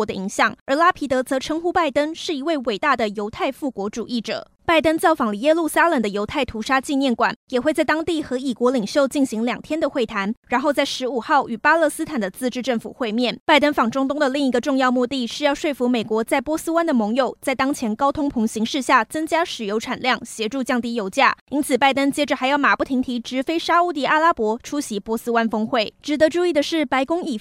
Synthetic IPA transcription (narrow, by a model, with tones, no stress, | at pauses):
d̪ə̰˧ʔi˧˥ŋɕjɑ˨˩˦ŋə˞˧˥la˥pʰi˧˥t̪ɤ˧˥t͡sɤ˧˥ʈ͡ʂʰɤ˧˥ŋxu˥pa˥˩ɪt̪ə˥ŋʂɻ̩˥˩i˧˥we˥˩ɪwe˨˩ɪt̪a˥˩d̪ə˩jo˧˥ʊt̪ʰa˥˧ɪfu˥˩kwɔ˧˥ʈ͡ʂṵ˨˩i˥˩ʈ͡ʂɤ̰˨˩˦ | pa˥˩ɪt̪ə˥ŋt͡sɑ˥˩ʊfɑ˨˩ŋlə˦jɛ˥lu˥˩sa˥lə˨˩ŋd̪ə˦jo˧˥ʊt̪ʰa˥˩ɪt̪ʰu˧˥ʂa˥t͡ɕi˥˧njɛ˥˩nkwa̰˨˩˦njɛ˨˩xwe˥˧ɪt͡sa˥˩ɪt̪ɑ˥ŋt̪i˥˩xɤ˧˥i˨˩kwɔ˧˥li˨˩ŋɕjo˥˧ʊt͡ɕi˥˩nɕi˧˥ŋljɑ˨˩ŋt̪ʰjɛ˥nd̪ə˨xwe˥˩ɪt̪ʰa˧˥nɻa˧nxo˥˧ʊt͡sa˥˩ɪʂɻ̩˧˥u˨˩xɑ˥˩ʊʔy˨˩pa˥lɤ˥˧sɹ̩˥t̪ʰa˨˩nd̪ə˦t͡sɹ̩˥˧ʈ͡ʂɻ̩˥˧ʈ͡ʂə˥˩ŋfṵ˨˩xwe˥˧ɪmjɛ˥˩npa˥˩ɪt̪ə˥nfɑ˨˩ŋʈ͡ʂʊ˥ŋt̪ʊ˥ŋd̪ə˨li˥˩ŋi˧˥ɡə˧ʈ͡ʂʊ˥˧ŋjɑ˥˧ʊmu˥˧t̪i˥˩ʂɻ̩˥˧jɑ˥˧ʊʂwe˥˩ɪfu˧˥me˨˩ɪkwɔ˧˥t͡sa˥˩ɪpwɔ˥sɹ̩˥wa˥nd̪ə˨mɤ˧˥ŋjo˨˩ʊt͡sa˥˩ɪt̪ɑ˥ŋt͡ɕʰjɛ˧˥nkɑ˥ʊt̪ʰʊ˥ŋpʰʊ˧˥ŋɕi˧˥ŋʂɻ̩˥˧ɕja˥˩t͡sɤ˥ŋt͡ɕja˥ʂɻ̩˨˩jo˧˥ʊʈ͡ʂʰa˨˩nljɑ˥˩ŋɕjɛ˧˥ʈ͡ʂu˥˧t͡ɕjɑ˥˩ŋt̪i˧˥jo˧˥ʊt͡ɕja˥˩i˥nt͡sʰɹ̩˨˩pa˥˩ɪt̪ə˥ŋt͡ɕjɛ˥ʈ͡ʂə˨˩xa˧˥ɪjɑ˥˩ʊma˨˩pu˥˩t̪ʰi˧˥ŋt̪ʰi˧˥ʈ͡ʂɻ̩˧˥fe˥ɪʂa˥u˥˧t̪i˥˩ʔa˥˩la˥pwɔ˧˥ʈ͡ʂʰu˥ɕi˧˥pwɔ˧˥s̩˥wa˥nfɤ˥ŋxwe˥˩ɪʈ͡ʂɻ̩˨˩t̪ə˧˦ʈ͡ʂu˥˧i˥˩d̪ə˩ʂɻ̩˥˩pa˧˥ɪkʊ˥ŋi˨˩